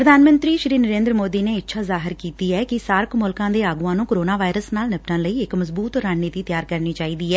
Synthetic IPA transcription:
pɾəd̪ʱaːnmə̃nt̪ɾiːʃɾiːnəɾeːnd̪ɾəmoːd̪iːneːɪtːʃʰaːzaːɦɪɾkiːt̪iːɛːkɪsaːɾəkʰmʊlkãːd̪eːaːɡuãːnũːkəɾoːnaːʋaːɪɾəsnaːlnɪpʈãːləiːɪkməzbuːt̪ɾaːnniːt̪iːt̪ɪjaːɾkəɾniːt͡ʃaːiːd̪iːɛː

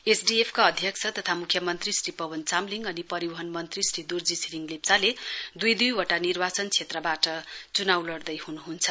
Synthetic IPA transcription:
esɖiepʰkaʌd̪ʱjʌk̚t͡sʰʌt̪ʌt̪ʰamukʰjʌmʌnt̪risripʌbʌnt͡samliŋɡʌnipʌɾiwʌɦʌnmʌnt̪risrid̪urd͡zisiɾiŋlep̚t͡saled̪ujd̪ujwʌʈanirbat͡sʌnt͡sʰet̪rʌbaʈʌt͡sunawlʌrd̪ʌjhunuɦunt͡sʰʌ̥

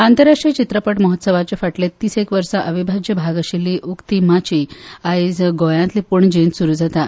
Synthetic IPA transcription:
ant̪əɾaʂʈɾit͡ɕit̪ɾəpəʈməɦɔt̪səʋat͡ɕjafaʈlet̪ːiːsekʋəɾsaʔəʋibʱad͡ʑjəbʱaɡəɕilːiʔukt̪imat͡ɕiaid͡zɡojãnt̪lipuɳd͡ʑensuɾuːd͡zat̪a

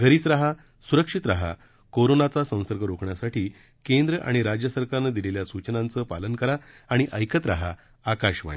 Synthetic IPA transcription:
ɡʱəɾiːt͡sɾaɦa | suɾəkʂit̪ɾaɦa | koɾonat͡sasə̃w̃səɾɡəɾokʰɳjasaʈʰiː | kẽnd̪ɾəʔa̰ɽ̃iɾad͡ʑjəsəɾkaɾnəd̪ileljasut͡ɕnãnt͡səpalənkəɾaː | ɽ̃iʔəjkət̪ɾaɦa | akaɕʋa̰ɳi

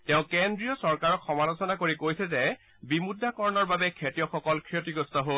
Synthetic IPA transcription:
tɛʊ̃kendɹijɔsɔɹkaɹɔkxɔmalɔsɔnakoɹikojsɛzɛ | bimudʱːakɔɹɔnɔɹbabɛkʰetijɔxɔkɔlkʰɹiotiɡɔstɔɦol

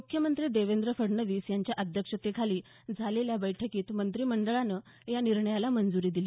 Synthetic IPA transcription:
mukʰjəmənt̪ɾiːd̪eʋend̪ɾəfəɽnəʋiːsjaɲt͡ɕjaʔəd̪ʱjəkʂət̪ekʰaliː | d͡zʱaleljabəjʈʰəkiːt̪mənt̪ɾiːməɳɖəɭanəː | janiɾɳəjalamənd͡zuɾiːd̪ili

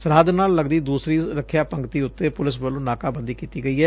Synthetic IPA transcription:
səɾɦaːd̪naːlːəɡd̪iːd̪uːsɾiːɾəkʰjaːpəŋɡt̪iːʊt̪ːeːpʊlɪs̬bəlõːnaːkaːbənd̪iːkiːt̪iːɡəiːɦɛː

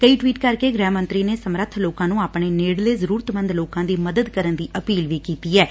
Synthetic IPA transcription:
kəiːʈʋiːʈkəɾkeːɡɾɛːmə̃nt̪ɾiːneːsəmɾət̪ʰloːkãːnũːaːpɳeːneːɽleːzəɾuːɾət̪mə̃nd̪loːkãːd̪iːməd̪əd̪kəɾənd̪iːʔəpiːlʋiːkiːt̪iːɛː

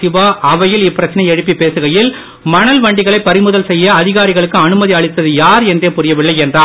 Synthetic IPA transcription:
ɪʋaːʔɐʋɐjɪlɪpːɪɾɐt͡ʃːɐnɐɪɛɻɯpːipeːsɯɣɐjɪl | mɐnɐlʋɐɳɖɪɣɐɭɐɪpːɐɾɪmɯðɐlsɛjːɐɐðɪɣaːɾɪɣɐɭɯkːɯɐnɯmɐðiɐɭɪt̪ːɐðɯjaːɾɛndreːpʊɾɪjɐʋɪɭːɐɪɛndraː

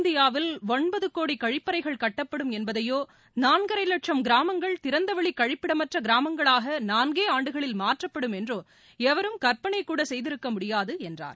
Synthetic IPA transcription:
nd̪ɪjaːʋɪlɔɳbɐðɯkːoːɽikɐɻɪpːɐɾɐɪɣɐɭkɐʈːɐpːɐɽɯmɛnbɐðɐjoː | naːnɡɐɾɐɪlɐʈ̚t͡ʃɐmɡɪɾaːmɐŋɡɐɭt̪ɪɾɐnd̪ɐʋɐɭikːɐɻɪpːɪɽɐmɐʈrɐɡɪɾaːmɐŋɡɐɭaːɣɐnaːnɡeːaːɳɖɯɣɐɭɪlmaːʈrɐpːɐɽɯmɛndroː | ɛʋɐɾɯmkɐɾpɐɳɐɪkːuːɽɐsɛjðɪɾɯkːɐmʊɽɪjaːðɯɛndra̰ːɾ

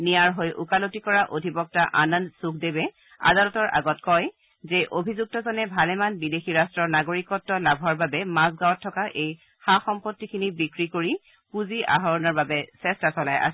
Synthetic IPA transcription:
niaɹɦojʔṵkalotikɔɹaʔodʱibɔk̚taʔanandsukʰdebɛ | a̰dalɔtɔɹʔa̰ɡɔtkɔj | zɛʔobʱizuk̚tɔzɔnɛbʱalɛmanbidexiɹastɹɔɹnaɡoɹikɔtːɔlabʱɔɹbabɛmas̬ɡawɔtʰːɔkaʔej | xaxɔmpotːikʰinibikɹikoɹi | puziʔa̰ɦɔɹɔnɔɹbabɛsɛstasɔla̰jʔa̰s

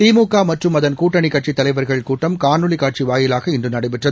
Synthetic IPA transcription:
t̪iːmuːkːaːmɐʈrɯmɐðɐnkuːʈːɐɳɪkːɐʈt͡ʃit̪ːɐlɐɪʋɐɾɣɐɭɪkuːʈːɐmkaːnɯɭɪkaːʈ̚t͡ʃiʋaːjɪlaːɣɐɪndrɯnɐɽɐɪʋɪʈrɐ

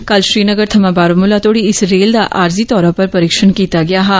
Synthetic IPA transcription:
kɐlʃɾiːnɐɡəɾt̪ʰɐmãbaːɾomʊlat̪ʰoːɽiɪsɾeːld̪aʔaːɾzit̪ɔːɾãpɐɾpɐɾiːkʃənkiːt̪aɡɐjaɦɛː

